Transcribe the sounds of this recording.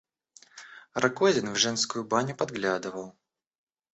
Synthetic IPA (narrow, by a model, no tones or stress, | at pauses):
rʔɐkodʲɪnvʐɛnskʊjʊbanʲʊpɐd̪ɡlʲad̪ɨvəlˠ